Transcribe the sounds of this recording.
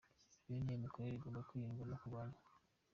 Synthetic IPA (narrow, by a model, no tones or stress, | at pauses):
oniemikoɾeβiɡomakujiŋɡulakuɡala